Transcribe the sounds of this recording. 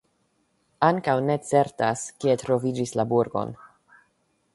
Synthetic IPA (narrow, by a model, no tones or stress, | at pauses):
aŋkawne̞t͡se̞ɾtaskietɾo̞vid͡ʒislabuɾɡo̞̰n